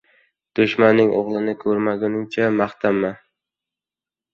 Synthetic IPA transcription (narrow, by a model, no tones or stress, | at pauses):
d̪̥ʊʃmanːɪŋʔoʁlˠɪnɪkʰɵɾmaɡʲanɪŋt͡ʃʰamaχt̪ʰamːa